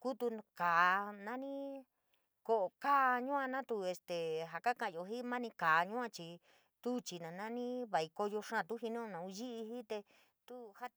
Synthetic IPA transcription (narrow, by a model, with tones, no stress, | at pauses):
ku˦t̪u˧kaː˨˧nã˦nĩ˦ | ko˧ʔo˨ka˦˧ɲũ˦ã˧nã˦t̪u˧e˧st̪e˨ɦa˨ka˦kã˧ʔjo˧ɦi˦mã˦nĩ˧ka˨˧ɲũ˦ã˧t͡ʃi˧ | t̪u˦t͡ʃi˧nã˨˧nã˦nĩ˦βa˨i˧ko˧jo˧ʂã˦˨t̪u˦ɦi˧nõ˦˧nã˨u˧ʒi˦ʔi˧hi˦t̪e˧ | t̪u˦ha˦